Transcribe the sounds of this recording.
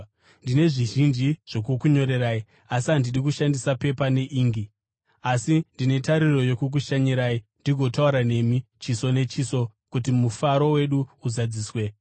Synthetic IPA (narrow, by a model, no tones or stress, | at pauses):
ndine̞ʐiʒind͡ʒiʐ̥o̞kukuɲo̞ɾe̞ɾaːi | asiɦandiɗikuʃandisape̞pane̞ʔiːŋɡi | asindine̞taɾiro̞jo̞kuk̬uʃaɲiɾaːindiɡʱo̞tauɾane̞mit͡ʃiso̞ne̞t͡ʃiso̞kutimufaɾo̞we̞ɗuuzad͡ziːswe